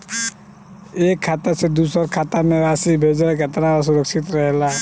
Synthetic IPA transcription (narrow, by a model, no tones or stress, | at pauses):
eːkʰːaːt̪əɾsed̪uːsəɾkʰaːt̪amẽaːsibʱeːd͡ʒɾekət̪ɾãas̬uɾəksɪt̪ɾəɦela